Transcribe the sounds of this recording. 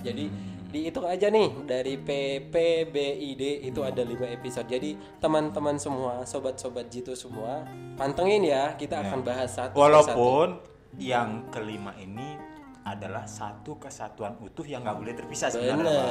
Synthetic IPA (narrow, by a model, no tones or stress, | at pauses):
d͡ʒadi | diːt̪ukaad͡ʒanɪhdaɾipepebeideit̪uadalimaepisod̚d͡ʒadi | t̪əmant̪əmansəmuasobat̪̚sobat̪̚d͡ʒit̪usəmuapant̪əŋɪnjakit̪aːkanbaɦasat̪wwalaapʊn | jaŋkəlimaʔini | adalahsat̪ukəsat̪uanut̪ʊhjaŋɡaʔbolɛht̪ərpisasbəanə